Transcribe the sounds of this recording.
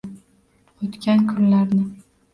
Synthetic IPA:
ot̪kʲankʰʊnlaɾnɪ

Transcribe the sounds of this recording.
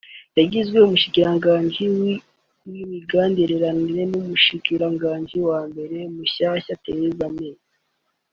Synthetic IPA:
jaɟizɡwe̞umuʃikiɾaŋɡaːɲɟiwi | wimiɡaːndiɾeɾaniɾe̞numuʃikiɾaŋɡaːɲɟiwaːmbe̞ɾe̞muɕaːɕatḛjezameːza

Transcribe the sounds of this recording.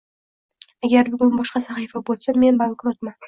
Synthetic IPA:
aɡʲaɾbʊɡʲʊnbɒʃqɑsaχijfabolˠsame̞nbaŋkɾot̪man

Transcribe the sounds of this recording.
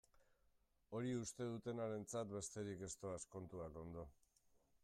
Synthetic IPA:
o̞ɾiust̪e̞ð̞ut̪e̞naɾe̞nt͡sat̪be̞st̪e̞ɾike̞st̪o̞asko̞nt̪uako̞nd̪o̞

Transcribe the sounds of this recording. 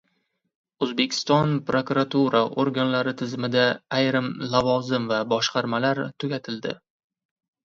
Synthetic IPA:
ɵzbe̞kʲʰɪ̥st̪ɒnpɾokuɾat̪ʰuɾaʔoɾɡʲanlaɾɪt̪ʰɪzmɪd̪aːjɾɪmlˠavɒzɪmvabɒʃqɑɾmalaɾt̪ʰʊɡʲat̪ʰɪld̪ɪ̰

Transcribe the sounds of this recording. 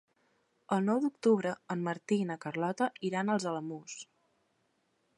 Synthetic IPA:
əlˠnɔwd̪ukt̪uβɾəəmːəɾt̪inəkərlɔt̪əiɾanəlˠzələmus

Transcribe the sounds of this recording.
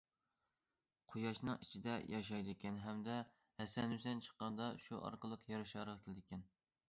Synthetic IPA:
qʰojɑʃnɨŋʔit͡ʃʰid̪ɛjʔɑʃ̬ɑjd̪ɪkʲɛnɦɛmd̪ɛ | hɛsɛnysɛnt͡ʃʰə̥qːɑnd̪ɑʃuʔɑ̰ɾqʰəlˠəqjɑɾɨʃɑɾʁɑkʲelɪd̪ɪkʲʰɛn

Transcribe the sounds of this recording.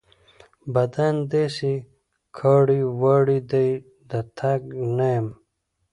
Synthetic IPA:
bɐd̪and̪esi | kʰaːɽiwaɽid̪aj | d̪at̪ʰaɡnajem

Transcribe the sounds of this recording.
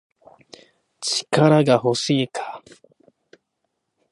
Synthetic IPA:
t͡ɕi̥kaɾaɡahoɕiːkʰḁ

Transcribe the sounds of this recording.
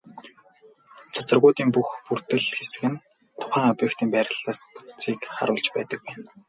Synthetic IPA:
t͡sʰat͡sə̆rɣʊːt̪iːmpuxpur̥t̪ɘ̆ɮxesɘ̆ɣɘ̆n | t̪ʰʊ̥χæːŋɔpʲeːkt̪iːmpæːɾʲə̆ɮaːspu̥t͡siːkχa̰ɾʊːɮt͡ɕpæ̰ːt̪ə̆k̚pæːn

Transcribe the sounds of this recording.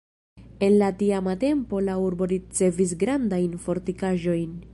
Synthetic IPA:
e̞nlatiamate̞mpo̞lauɾbo̞ɾit͡se̞vis̬ɡɾandajnfo̞ɾtikaʒo̞jn

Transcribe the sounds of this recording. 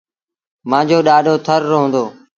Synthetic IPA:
mãːd͡ʑoːɗaːɗʱoːt̪ʰəɾːɦõːnd̪oː

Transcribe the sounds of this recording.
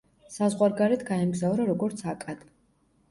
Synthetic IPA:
sazʁwaɾɡaɾɛt̪ɡaɛmɡzavɾaɾɔɡɔɾt̪sʰakʼad̪̥

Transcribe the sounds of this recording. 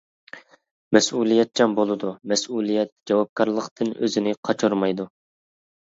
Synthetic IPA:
mɛsulˠijɛt̪̚t͡ʃʰɛnbolˠɨd̪umɛsulˠijɛt̪̚d͡ʒɑwɑp̚kɑɾlˠəqt̪ʰɨnø̰zɪnɪqʰɑt͡ʃʰuɾmɑjd̪u

